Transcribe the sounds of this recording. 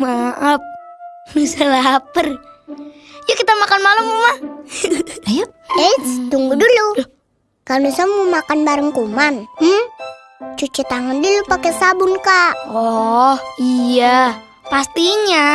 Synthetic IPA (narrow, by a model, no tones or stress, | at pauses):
maʔap̚nusəlapər | jakit̪amakanmaləmːuma | ja | et̪uŋɡudulu | kalnusamumakanbaɾəŋkuman̩ | t͡ʃut͡ʃit̪aŋandulupakesabʊnkaʔɔhija | past̪iɲa